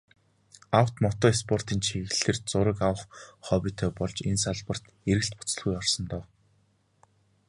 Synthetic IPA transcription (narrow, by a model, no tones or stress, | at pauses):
aw̥t̪mɔt̪ɔːespʰɔr̥t̪iːnt͡ɕʰiɣɘ̆ɮɘ̆rt͡sʊɾə̆kawə̆χχɔpʲiːt̪ʰœːpɔɮt͡ɕensaɮpə̆r̥t̪ | eɾɘ̆ɬt̪pʊt͡sə̆ɮɣujɔrsɞ̆nt̪ɔw